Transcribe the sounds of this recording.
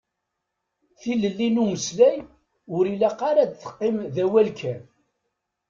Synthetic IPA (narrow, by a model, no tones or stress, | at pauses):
θiləlːinuməslæj | ʊɾilæqɑɾad̪θə̥qːɪmðæwælkʰæ